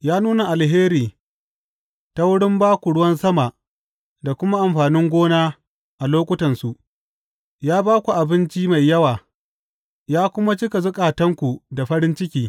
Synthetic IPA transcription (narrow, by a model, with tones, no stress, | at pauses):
jaː˦nuː˦na˨ʔa˨lɦeː˦ɾiː˨ | ta˦wʊ˦ɽɪ˦mbaː˦kʷu˨ɽʊ˦wɐ˦nsɐ˦ma˨ | da˨kʷʊ˦ma˦ʔa˨mɸaː˨nɪ˦ŋɡʷoː˦naː˦ | ʔa˨loː˦kʷʊ˦tɐ˨nsu˨ʔ | jaː˦baː˦kʷu˨ʔa˨bɪ˦nt͡ʃi˦ma˨jːɐ˦waː˨ | jaː˦kʷʊ˦ma˦t͡ʃɪ˦ka˨zʊ˦kʼaː˨tɐ˦ŋkʷu˨da˨ɸɐ˦ɽɪ˦nt͡ʃɪ˦kʲiː˦